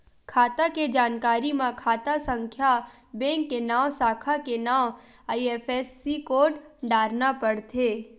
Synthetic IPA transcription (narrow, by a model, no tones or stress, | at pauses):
kʰaːt̪aked͡ʒaːnkaːɾimãkʰaːt̪asə̃ŋkʰjabɛ̃ːŋkːenaːwsaːkʰakenaːaːieːpʰesːikoːɖ | ɖaːɾnapəɽt̪ʰeː